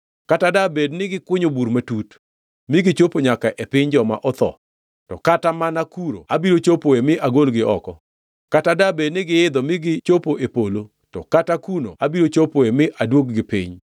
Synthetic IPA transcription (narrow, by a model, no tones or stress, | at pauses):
katadabednɪɡɪkwʊɲobuɾmatut | mɪɡɪt͡ʃopoɲakaʔepɪɲd͡ʒɔma̰ʔɔt̪ɔ̰ | tɔ̰katamanakuɾo̰abiɾot͡ʃopoemɪʔaɡolɡɪɔkɔ | katadabednɪɡɪɪd̪ɔmɪɡɪt͡ʃopoʔepolo | tɔkatakuno̰abiɾot͡ʃopoemɪʔadwok̚ɡɪpɪ̰ɲ